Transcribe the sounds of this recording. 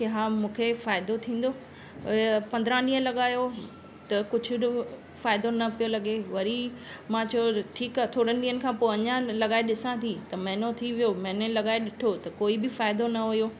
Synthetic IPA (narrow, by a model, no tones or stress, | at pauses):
keɦaːmũːkʰefaːɪd̪ot̪ʰĩːn̆d̪oː | pɐ̃nd̪ɾãɗĩːɦə̃lɐɠaːjo | t̪ɐkʊd͡ʑʱʊ | faːɪd̪onɐpijolɐɠeʋɐɾimãːt͡ɕʰɐoʈʰiːkaːt̪ʰoːɽənɪ̆ɗĩːənɪ̆kʰãːpoːɐɲãlɐɠaːeɗɪsãt̪ʰit̪ɐmɐɦɪnot̪ʰiʋijomɐ̃ɦnẽlɐɠaːeɗɪʈʰot̪ɐkoːibɪfaːɪd̪onɐɦʊjoː